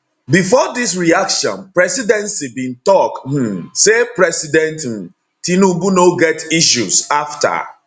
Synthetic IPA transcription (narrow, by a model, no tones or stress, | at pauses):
bifɔdis̬ɹiakʃɔ̰̃npɹɛsidɛ̃nsibĩntɔkh̩sepɹɛsidɛ̃ntm̩ | tinubunoɡɛtiʃuzafta̰